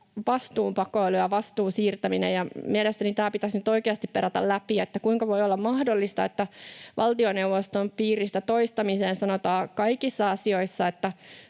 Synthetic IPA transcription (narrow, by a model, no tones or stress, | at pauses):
ʋɑst̪uːmpɑkoeluɑʋɑst̪uːsiːrt̪æminḛjɑmielest̪ænit̪æːpit̪æsnyt̪o̞ikeɑst̪ippeɾæt̪æ̰llæpiet̪ːækuiŋkɑʋo̞jolːɑmmɑhdolːist̪ɑḛt̪ːæʋʔɑlt̪ionewʋost̪ompiːrist̪æt̪oist̪ɑmiseːnsɑnot̪ɑːkɑikisːɑɑsioisːɑet̪ːæ